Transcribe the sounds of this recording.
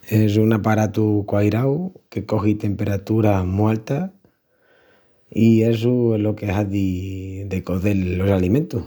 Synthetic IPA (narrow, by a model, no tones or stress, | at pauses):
e̞s̬unapaɾat̪ukwajɾawke̞ko̞xit̪e̞mpe̞ɾat̪uɾamualt̪a | ies̬ulo̞keaðid̪ekoðelːosalimẽnt̪u